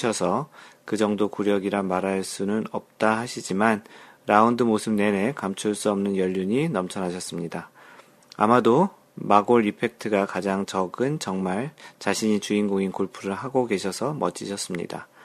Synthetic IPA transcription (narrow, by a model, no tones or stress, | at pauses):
ʌsʰʌkɯd͡ʑʌŋdokuɾjʌɡiɾamaɾɦaɭs͈unɯnʌp̚t͈ahaɕʰid͡ʑiman | ɾaundɯmosʰɯb̚ne̞ne̞kamt͡ɕʰuɭs͈uʌmnɯnjʌʎːuɲinʌmt͡ɕʰʌnɦaɕʰʌs͈ɯmɲida | a̰mado | maɡoɭːipʰe̞k̚tʰɯɡakad͡ʑaŋt͡ɕʌɡɯnt͡ɕʌŋmaɭt͡ɕaɕʰiɲit͡ɕuinɡoŋinkoɭpʰuɾɯɭɦaɡoke̞ɕʰʌsʰʌmʌ̰t͡ɕ͈ʰiɕʰʌs͈ɯmɲḭda̰